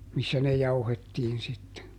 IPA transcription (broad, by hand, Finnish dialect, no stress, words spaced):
misːæ ne jɑuhetːiːn sitːe